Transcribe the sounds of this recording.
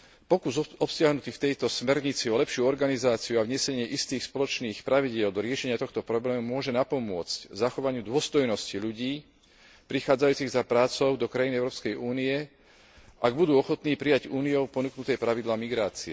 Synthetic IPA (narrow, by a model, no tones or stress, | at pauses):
pɔkuzɔpsɪaɦnut̪iːft̪ɛjt̪ɔsmɛɾɲit͡siɔlɛpʃɪuɔɾɡanizaːt͡siuavɲɛsɛɲɪɛʔist̪iːxspɔlɔt͡ʃniːxpɾaʋiɟɪɛld̪ɔɾɪɛʃɛɲɪat̪ɔxt̪ɔpɾɔblɛːmumʊɔʒɛnapɔmʊɔt͡sczaxɔʋaɲɪud̪ʊɔst̪ɔjnɔsciʎuɟiː | pɾixaːd͡zajuːt͡siɣzapɾaːt͡sɔʊd̪ɔkɾajiniɛʊɾɔːpskɛjuːniɛ | ʔaɡ̚bud̪uːɔxɔt̪niːpɾijaɟuːniɔʊpɔnuknut̪ɛjpɾaʋid̪laːmiɡɾaːt͡siɛ